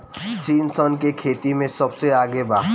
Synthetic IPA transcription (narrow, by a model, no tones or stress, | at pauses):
t͡ʃiːnsɔnkekʰeːt̪imẽsɐbseaːɡebaːɦ